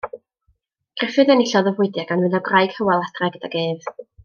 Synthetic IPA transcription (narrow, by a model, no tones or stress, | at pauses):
ɡ̥rɛfɨðənɪɬɔðəvʊɨdjaɡanvɪnðaɡrajɡ̥həwalˠadrɛɡ̥əd̥aɡeːv